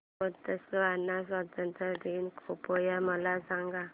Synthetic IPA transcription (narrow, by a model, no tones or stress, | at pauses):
pɔd̪əsəanːas̬wat̪ənt̪ɾəd̪inkʰupojaməlasaŋɡa